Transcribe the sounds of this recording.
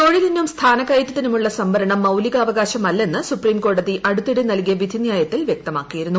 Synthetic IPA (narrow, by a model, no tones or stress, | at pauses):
t̪oɻiðinːumst̪ʰaːnɐkːɐjitːɐt̪ːinumuɭːɐsɐmbɐɾɐɳɐmːɐwliɣaːʋɐɣaːɕɐmɐlːe̞nːɨsupriːmko̞ːɽɐðiʔɐɽut̪ːiɽinɐlk̬ijɐʋid̪ʱinjaːjɐt̪ːilʋjek̚t̪ɐmaːkːijiɾunːu